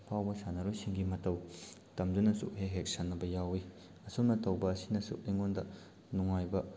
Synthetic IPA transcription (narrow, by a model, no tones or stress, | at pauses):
pʰawbɐsanɐɾusiŋɡimɐtɐwtɐmdunɐsṵʔɦeɦek̚sanːɐbɐjawi | ɐsumnɐtɐwbɐːsi̥nɐsṵʔliŋondɐ | nuŋajbɐ